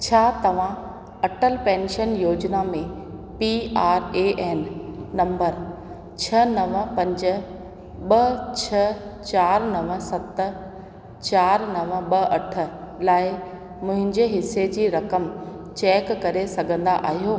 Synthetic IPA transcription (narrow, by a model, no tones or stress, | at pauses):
t͡ɕʰaːt̪ɐʋ̤ã | ɐʈəlpɛ̃ːnʃənjoːd͡ʑnamẽ | piaːɾeːʔeːnːɐ̃mbəɾ | t͡ɕʰɐnɐʋə̆pɐ̃ɲd͡ʑə̆ | ɓɐt͡ɕʰɐt͡ɕaːɾnɐʋə̆sɐt̪̆ | t͡ɕaːɾnɐʋə̆ɓɐʔɐʈʰə̆laːɪ | mʊ̃ɦɪ̃ɲd͡ʑeɦɪsed͡ʑiːɾɐkəm | t͡ɕɛːkːɐɾesɐɡʱə̃nd̪aʔa̰ːɦijoː